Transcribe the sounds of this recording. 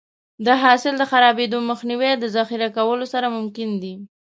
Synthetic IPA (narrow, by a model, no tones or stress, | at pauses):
d̪əɦɑsɪld̪əxaɾɑbed̪oməxniwed̪əzaxiɾakawəlosaɾamʊmkɪnd̪i